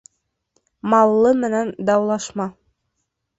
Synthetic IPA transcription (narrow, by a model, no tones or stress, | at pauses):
mɑwlːˠɤmɘ̆nænd̪ɑwlˠɑʃmɑ